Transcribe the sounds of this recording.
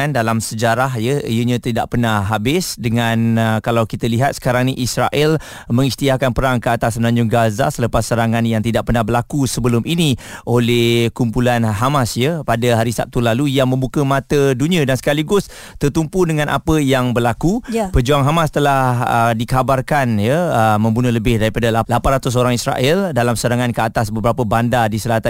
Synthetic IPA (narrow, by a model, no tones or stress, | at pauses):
andalamsəd͡ʒaɾaɦjəijəɲə̃t̪ida̰ʔpərnahɦabɪsdəŋankalawkit̪əliɦat̪̚sə̥kaɾaŋniʔisɾa̰ʔɛl | mə̃ŋist̪iahkanpəɾaŋkəat̪asmənãɲd͡ʒʊŋɡaza̰sələpasːəɾaŋanjaŋt̪idaʔpərnahbərlakusəbəlʊmʔiniʔolɛhkumpulanɦamasjəpadəɦaɾisap̚t̪ulalujaŋmə̃mbukəmãt̪ədunĩãdansə̥kaliɡʊs | t̪ərt̪umpudəŋãnʔa̰pəjaŋbərlakupəd͡ʒuaŋɦamast̪əlahədikabarkanjəəmə̃mbunəhləbɪhdaɾipadalalapanrat̪us̬oɾaŋisɾa̰ʔɛldalamsəɾaŋankəat̪asbəbəɾapəbandadisəlaɦat̪a